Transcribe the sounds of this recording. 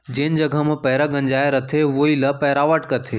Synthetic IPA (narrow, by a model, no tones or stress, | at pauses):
d͡ʑeːnɪ̆d͡ʑɐɡʱəmɪpɐɦɾaɡɐ̃ɲd͡ʑaːeɾɐt̪ʰeʋoilɐpɛɦɾaːʋəʈkɐt̪ʰeː